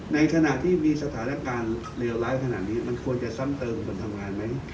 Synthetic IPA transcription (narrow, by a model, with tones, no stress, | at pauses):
na˧jkʰa˧na˨˩ʔt̪ʰiː˥˩miː˧sa˧t̪ʰaː˩˦na˧˥˩kaː˧n | le˧wlaː˦˥jkʰa˧na̰˨˩t̪̚niː˦˥ma˧nkʰu˧ənt͡ɕa˨˩sa˥˩ŋt̪ɤː˧mkʰo˧nt̪ʰa˧mŋaː˧jma˦˥j